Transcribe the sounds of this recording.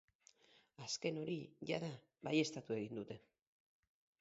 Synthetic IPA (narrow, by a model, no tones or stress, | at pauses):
aske̞no̞ɾiʝaða | βaje̞st̪at̪ue̞ɣind̪ut̪e̞